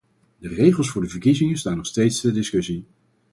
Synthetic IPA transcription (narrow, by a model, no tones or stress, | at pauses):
dərejχəlˠsfʊːɹdəvəɹkizɪŋəstaːnɔχstejtstɛdɪskɵsi